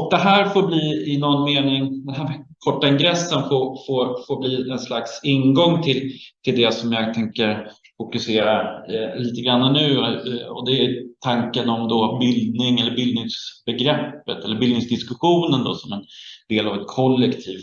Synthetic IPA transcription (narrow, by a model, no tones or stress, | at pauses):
ɔk̚d̪ɛɦæːɾfoːɾbliːɪnɔnːmeːnɪŋd̪ɛɦæːɾkʰɔʈːaɪŋɡɾɛsːənfoɾfoɾfoːɾbliːɛnslaksɪnɡɔŋːt̪ʰɪlt̪ʰɪld̪ɛsɔmjɑːɡ̚t̪ʰɛŋkəɾ | fʊkɵseːɾaliːt̪əɡɾanːanʉ̟ːɔ̰d̪ɛt̪ʰaŋkənɔmd̪ɔbɪld̪nɪŋɛlːəɾbɪld̪nɪŋsb̥ɛɡɾɛpːət̪ɛlːəɾbɪld̪nɪŋsd̪ɪskɵɧuːnənd̪ɔ̰sɔmɛnd̪eːlavɛt̪̚kʰɔlːɛkt̪ʰiːf